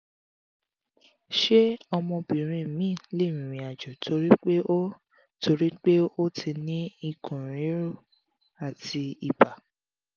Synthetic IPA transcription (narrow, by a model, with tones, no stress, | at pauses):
ʃe˦ɔ˧mɔ̃˧bĩ˨ɾ̃ĩ˧˨mĩ˦˨le˦˨mĩ˨ɾ̃ĩ˨a˨d͡ʒɔ˨tʰo˧ɾi˦k͡pe˦o˦ | tʰo˧ɾi˦k͡pe˦o˦tʰi˧nĩ˦i˧kʰũ˨ɾ̃ĩ˨˦ɾo˦˨ | a˨ti˧i˧˨ba˨